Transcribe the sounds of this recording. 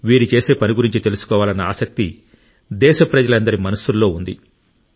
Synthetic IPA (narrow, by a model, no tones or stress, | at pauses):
ʋiːɾit͡ʃe̞ːse̞ːpɐniɡuɾiɲt͡ʃit̪e̞lusu̥kɔːʋaːlɐnːɐa̰ːsɐk̚t̪i | d̪ɛːʃɐpɾɐd͡ʒɐlɐnd̪ɐɾimɐnɐsulːo̞ːund̪ḭ